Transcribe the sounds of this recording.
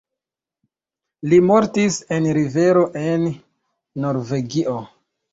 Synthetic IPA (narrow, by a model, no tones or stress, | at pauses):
limo̞ɾtise̞nɾive̞ɾo̞ʔe̞nː | o̞ɾve̞ɡiʔo